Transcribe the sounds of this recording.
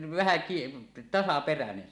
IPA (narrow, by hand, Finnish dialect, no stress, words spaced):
ʋæhæ kie tɑsɑperænen